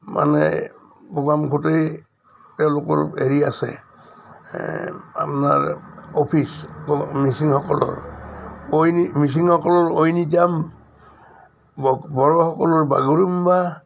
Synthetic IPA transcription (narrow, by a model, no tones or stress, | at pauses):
mʔa̰nɛ̰ | pɔɡamkʰutej | tɛʊ̃lokɔ̰ɹeɹiasɛ̰ | a̰pɔna̰ɹopʰisɔmisiŋhɔkɔlɔ̰ɹ | ojnimis̬iŋhɔkɔlɔɹojnitiam | bbɔɹɔhɔkɔlɔɹba̰ɡuɹumba